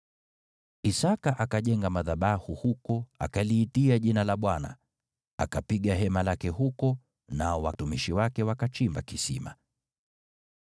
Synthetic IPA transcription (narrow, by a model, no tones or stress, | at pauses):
isakaʔakaʄɛŋɡamaðaɓahuhukɔa̰kaliːtiaʄinalaɓwana̰ | a̰kapiɠaɦɛmalakɛhukɔ | naɔwatumiʃiwakɛwakat͡ʃimba̰kisḭma̰